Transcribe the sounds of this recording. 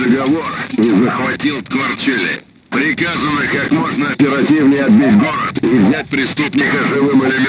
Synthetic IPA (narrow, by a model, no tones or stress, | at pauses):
əɡɐvorizəxvɐtʲilˠt̪kvɐrt͡ɕelʲɪ̰ | pɾʲɪkazənəkakmoʐnəɐpʲɪɾɐtʲivnʲɪjɐd̪bʲɪdʲɡoɾt̪ivzʲæt̚ʲpɾʲɪst̪upnʲɪkəʐɨvɨmɪlʲɪmʲ